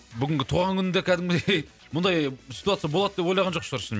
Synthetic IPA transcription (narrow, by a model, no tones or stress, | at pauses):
bʏɡʲɪŋɡʲɪt̪ʰuʁɑŋkʲʰʏnɪnd̪ekʲʰæd̪ɪŋmɪej | mʊnd̪ɑjsʲi̥t̪uat̪sɨjaboɑd̪əd̪epwojlɑʁɑnʒoqʃəɾʃɪme